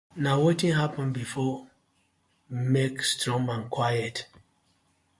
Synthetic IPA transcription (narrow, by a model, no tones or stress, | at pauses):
nawetĩŋɦapə̃nbifɔ | mekstɹɔ̃mãnkʰwajət